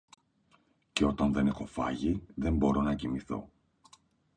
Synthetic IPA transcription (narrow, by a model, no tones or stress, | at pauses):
ce̞o̞t̪ɐnðe̞ne̞xo̞fɐ̰ʝiðe̞mbo̞ɾo̞nɐcimiθo̞̰